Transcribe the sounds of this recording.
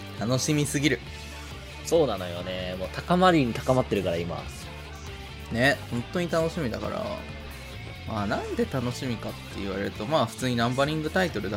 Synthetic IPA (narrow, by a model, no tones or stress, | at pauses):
t̪ano̞ɕimʲisɨɡʲiɾɯ̟ | so̞ːnano̞jonemoːt̪akamaɾʲiɲ̟it̪ḁkamat̪ːe̞ɾɯ̟kaɾaima̰sɨ̥ | ne̞hõ̞nt̪o̞ɲ̟it̪anoɕimʲid̪a̰ka̰ɾa̰ | maːnãnd̪e̞t̪ano̞ɕimʲikat̪ːe̞iβ̞aɾe̞ɾɯ̟t̪o̞maːɸɯ̟̥t͡sɨːɲ̟inãmbaɾʲĩŋɡɯ̟t̪ait̪o̞ɾɯ̟d̪a